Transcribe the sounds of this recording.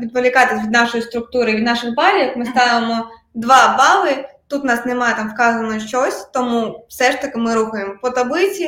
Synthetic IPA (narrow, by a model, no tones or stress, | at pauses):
ʋʲid̪pɔlʲikɑt̪ɪsʲʋʲid̪nɑʃɔjist̪ɾʊk̚t̪uɾɪʋʲid̪nɑʃɪxbɑlʲikmɪst̪ɑʋɪmɔ | d̪ʋɑbɑʋɪt̪ut̪nɑsnemɑjɛt̪ɑmfkɑzɐnɔʃt͡ʃɔsʲt̪ɔmufsɛʃt̪ɐkɪmɪɾuxʊjemɔpɔt̪ɐblɪt͡sʲi